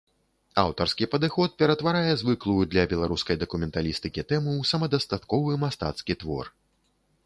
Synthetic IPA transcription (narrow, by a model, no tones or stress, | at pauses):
awt̪ɐrskʲipɐd̪ɨxɔt̪̚pʲɛɾɐt̪vaɾajɛzvɨklˠujud̪lʲɐbʲɛlˠaɾuskɐjd̪ɐkumʲɛnt̪alʲist̪ɨkʲit̪ɛmɨwsɐmɐd̪ɐst̪at̪kɔvɨmast̪a̰t̪skʲit̪vɔ̰r